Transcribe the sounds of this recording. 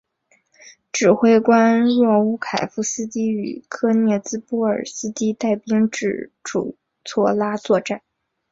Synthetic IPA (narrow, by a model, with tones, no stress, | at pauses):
ʈ͡ʂɻ̩˨˩xwe˥ɪkwa˥nɻwɔ˥˩u˥kʰa˨˩ɪfu˧˥sɹ̩˥t̪i˥y˨˩kʰɤ˥njɛ˥˩t͡sɹ̩˥pu˥ə̰˞˨˩sɹ̩˥t̪i˥t̪a˥˩ɪpi˥ŋʈ͡ʂɻ̩˥˩ʈ͡ʂṵ˨˩ | t͡sʰwɔ˥˩la˥t͡swɔ˥˧ʈ͡ʂa˥˩n